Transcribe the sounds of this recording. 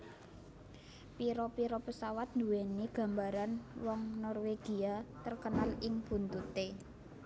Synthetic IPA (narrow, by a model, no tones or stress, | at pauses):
piɾɔpiɾopəsawat̪̚nd̪ṳweniɡ̥a̤mbaɾanwɔŋnɔrweɡ̥i̤at̪ərkənalɪŋb̥ṳnt̪ut̪e